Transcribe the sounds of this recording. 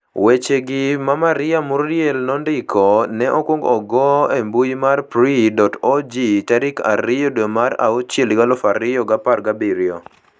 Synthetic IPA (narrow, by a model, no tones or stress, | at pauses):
wet͡ʃeɡɪmamaɾɪjamʊrjɛlnɔndɪkʰɔnɛʔɔkwoŋɡɔɡɔembujimarpɾidɔtod͡ʒitaɾɪka̰ɾɪjɔdomaɾa̰ot͡ʃeliɡalɔfaɾɪjɔɡaparɡabiɾjɔ